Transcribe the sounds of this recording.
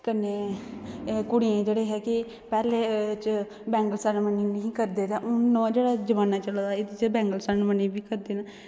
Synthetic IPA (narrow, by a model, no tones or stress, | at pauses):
kənːeː | kʊɽiẽːd͡ʒeːɽeːɦɛːkɪ | pɛːleːt͡ʃə | bɛ̃ːŋɡəlsanmənɪ̃nəɦĩːkəɾd̪eːt̪ɛːʔʊnːõːd͡ʒeːɽaːd͡ʒəʋaːnaːt͡ʃəlad̪aːɪd̪it͡ʃbɛ̃ːŋɡəlsənmənĩːbiːkəɾd̪eːna